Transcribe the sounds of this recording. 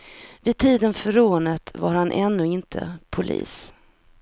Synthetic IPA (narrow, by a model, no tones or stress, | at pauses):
vɪd̪̚t̪ʰiːd̪ənfœɾoːnət̪ʰvaɾhanʔɛnːɵɪnt̪ʰə̰pʰʊlʔḭːs